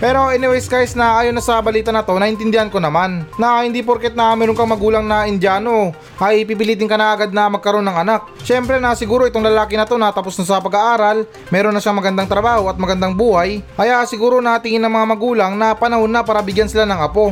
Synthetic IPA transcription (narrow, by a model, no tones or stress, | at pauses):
pɛːɾo̞ʔɛnɪwɛjskajsnɐʔaːjonːɐsɐbɐliːt̪ɐnɐt̪o̞nɐʔɪnt̪ɪnd̪ɪhanko̞nɐmannɐhɪnd̪ip̬oɾkɛt̪̚nɐmɛːɾoŋkɐŋmɐɡuːlɐŋnɐʔɪnd̪aːno̞ | ʔɐjp̬iːpɪliːt̪̬ɪŋkɐnɐʔɐɡad̪̚nɐmɐɡ̚kɐɾo̞nːɐŋɐnak̚ʃɛmpɾɛnɐsɪɡuːɾo̞ʔɪt̪oŋlɐlaːkɪnɐt̪o̞nɐt̪apo̞snɐs̬ɐpɐɡɐʔaːɾɐl | mɛːɾo̞nːɐʃaŋmɐɡɐnd̪aŋt̪ɾɐbaːho̞ɐt̪̚mɐɡɐnd̪aŋbuːhɐjʔɐjasɪɡuːɾo̞nɐt̪ɪŋɪnːɐŋmɐŋamɐɡuːlɐŋnɐpɐnɐho̞nːapaːɾɐbɪɡjansɪlanɐŋʔɐpo̞